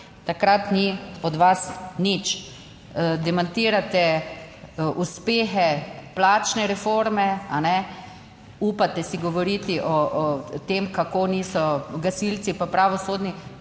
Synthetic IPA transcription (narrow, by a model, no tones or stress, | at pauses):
t̪akɾat̪niɔd̪ʋasnit͡ʃ | d̪ɛmant̪iːɾat̪ɛ | ʔuspeːxɛplaːt͡ʃnɛɾɛfoɾmɛanɛ | uːpat̪ɛsiɡɔʋɔɾit̪iʔɔt̪emkakoniːsɔɡasilsipapɾaʋɔsoːd̪ni